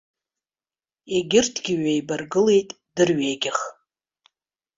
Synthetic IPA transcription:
eɡʲɪrtʰɡʲɪɥajbarɡɨle̞jtʼ | d̥ɨrɥeːɡʲɪχ

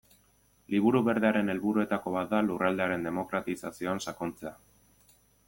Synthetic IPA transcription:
liβ̞uɾuβe̞ɾðeaɾe̞ne̞lβuɾue̞t̪ako̞βat̪̚d̪alurald̪e̞aɾe̞nd̪e̞mo̞kɾat̪isasio̞ansakont͡se̞a

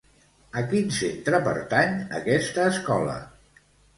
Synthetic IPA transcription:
əkinsent̪ɾəpə̰ɾt̪aɲə̰kɛst̪əːskɔlə̰

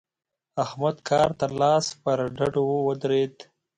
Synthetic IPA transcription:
ahmad̪kʰɑːɾt̪alɑːspəɾɖaɖowəd̪ɾed̪

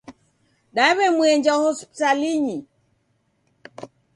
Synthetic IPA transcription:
ɗaɛβɛmwɛɲd͡ʒahɔspitaliɲi

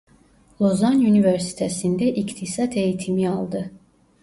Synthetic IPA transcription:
lˠozanyniveɾsi̥t̪ʰesind̪ɛʔict̪ʰisat̪ʰe̞jit̪ʰimiɑlˠd̪ɯ

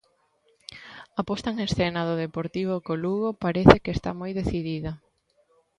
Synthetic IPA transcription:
apɔst̪ɐeŋesθenaðʊðepoɾt̪iβ̞okoluɣopaɾeθɪkest̪a̰mojðeθiðiðɐ

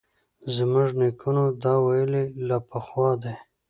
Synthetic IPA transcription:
zəmʊʐnekʰunod̪ɑwajəlilɑpəxwɑːd̪e

